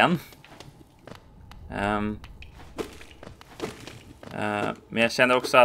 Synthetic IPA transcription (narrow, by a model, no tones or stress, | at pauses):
ɛnː | mɛ̰njæɪçɛnːəɾɔksɔɑ